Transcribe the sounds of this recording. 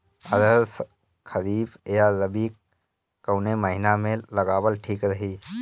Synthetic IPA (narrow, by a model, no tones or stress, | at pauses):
əd̪əls | kʰəɾiːbjaɾəbi | kəwneməɦɪnamẽləɡaːwəlʈʰiːkɾəɦiː